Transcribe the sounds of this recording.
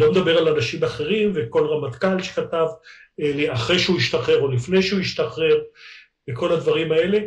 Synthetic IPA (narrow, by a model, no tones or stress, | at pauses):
lo̞med̪abe̞ʁalanaʃimaχe̞ʁimveko̞lʁamat̪kalʃe̥kat̪av | eliaχʁe̞jʃeuiʃt̪aχe̞ʁo̞lifne̞jʃeuiʃt̪aχe̞ʁ | beko̞lad̪vaʁimae̞le̞